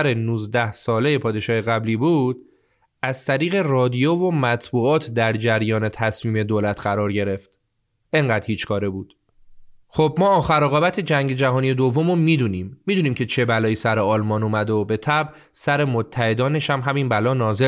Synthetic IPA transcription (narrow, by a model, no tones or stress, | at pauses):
ɾenuːzd̪æhsɒːle̞je̞pʰɒːd̪e̞ʃɒːheɣæbliːbuːd̪̥̚ | ʔæzt̪ʰæɾiːɣe̞rɒːd̪ijovo̞mæt̪ʰbuːɒːt̪ʰd̪æɾd͡ʒæɾjɒːne̞t̪ʰæsmiːme̞d̪olæt̪ʰɢæɾɒːɾɟe̞ɾe̞ft̪ | ʔe̞ŋɢæːd̪hiːt͡ʃkʰɒːɾebuːd̪̥ | xob̚mɒːɒːxæɾoɣɒːbæt̪ʰe̞d͡ʒæŋɟe̞d͡ʒæɦɒːnije̞d̪o̞vːo̞momiːd̪unimːiːd̪uːniːmcʰe̞t͡ʃʰe̞bælɒːjiːsæɾeɒːlmɒːnuːmæd̪obe̞t̪ʰæb | sæɾe̞mot̪ʰːæhe̞d̪ɒːne̞ʃæmɦæminbælɒːnɒːze